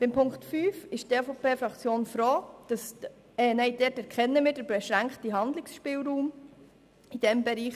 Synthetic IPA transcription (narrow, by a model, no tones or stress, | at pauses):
b̥ɪmpʰʊŋktfyːfɪʃteːfopeːfɾɑkt͡sjoːnfɾoːd̥ɑs | ɛnɛɪd̥ɛːtɛɾkχɛnːəmɪːɾd̥əɾbɛʃɾæŋkχtiɦɑnd̪lɪksʃpɪːlɾuːm | id̥ɛmbɛɾiːχ